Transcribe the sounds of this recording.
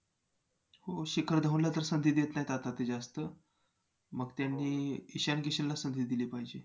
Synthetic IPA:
hoɕikʰəɾd̪ʱaʋũnlat̪əɾsənd̪ʱiːd̪jet̪najt̪at̪at̪ːed͡ʑast̪ə | məɡt̪janːiːiɕankiɕillasənd̪ʱiːd̪iliːpaɦid͡ʑe

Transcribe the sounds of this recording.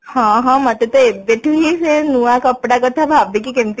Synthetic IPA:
hãɦãmɐt̪et̪oebeʈʰuɦisenuakɐpɽakɐt̪ʰabʱaːbikikɪmt̪

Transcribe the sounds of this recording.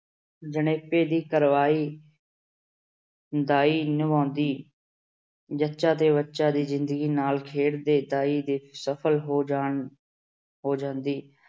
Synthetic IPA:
d͡ʒəneːpeːd̪iːkəɾʋaːiː | d̪aːiːnəʋãːnd̪iː | d͡ʒətːʃaːt̪eːβətːʃaːd̪iːzɪnd̪əɡiːnaːlkʰeːɽd̪eːd̪aːiːd̪eːsəpʰəlɦoːd͡ʒaːɳ | ɦoːd͡ʒãːnd̪iː

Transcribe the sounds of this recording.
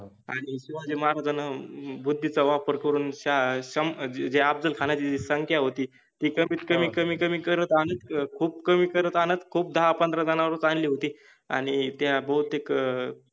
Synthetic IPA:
a̰ɽ̃iɕiʋad͡zeməɦaɾad͡zanabud̪ʱːit͡saʋapəɾkəɾuːnɕaɕəmd͡ʑeab̚d͡z̪əlkʰanjat͡ɕid͡zisəŋkʰjaɦot̪iː | t̪iːkəmiːt̪kəmiːkəmiːkəmiːkəɾət̪anə̃t̪kʰuːbkəmiːkəɾət̪anə̃nt̪kʰuːp̚d̪ʱaɦapənd̪ɾad͡zanaʋəɾət͡sanliːɦot̪iː | a̰ɽ̃it̪jabəɦut̪ek

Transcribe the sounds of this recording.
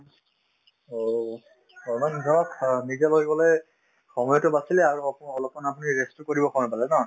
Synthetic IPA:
o | ɔmandʱɔɔknizaloɡibɔlɔj | xɔmɔjɔtʊbasilɛaɹuɔlɔpmɔnapuniɹestukoɹibɔkʰɔɹnapalɛnɔ

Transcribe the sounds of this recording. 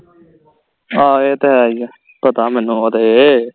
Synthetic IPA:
aːeːt̪eɦɛːija | pət̪aːmɛːnũːət̪eː

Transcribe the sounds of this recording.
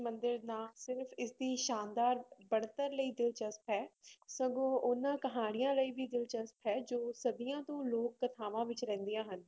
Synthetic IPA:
mə̃nd̪əɾnaːsɪɾfʰɪsd̪iːʃaːnd̪aːɾbəɽt̪əɾləiːd̪ɪlt͡ʃəspɦɛːsəɡõːʔʊnãːkəɦaːɽ̃ɪjãːləiːbiːd̪ɪlt͡ʃəspɦɛːd͡ʒoːsəd̪ijãːt̪õːloːkːət̪ʰaːʋãːʋɪt͡ʃɾɛ̃ːnd̪ijãːɦən

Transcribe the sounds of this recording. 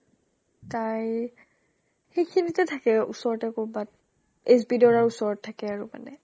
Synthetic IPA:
taj | xejkʰinitɛtʰakɛṵsɔɹɔtɛkobat̚ | esbidɔɹaɹusɔɹɔtʰːakɛaɹuma̰nɛ

